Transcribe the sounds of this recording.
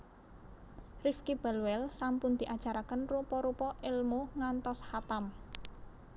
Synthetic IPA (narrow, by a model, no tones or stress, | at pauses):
rifkib̥alwɛlsampʊnd̪̥i̤ʔad̥ʒ̥a̤ɾakənrupɔɾupɔʔɪlmoŋant̪ɔshat̪am